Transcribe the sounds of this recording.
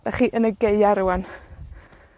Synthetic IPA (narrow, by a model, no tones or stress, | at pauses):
vɛχiːʔənəɡeɨaɾuwan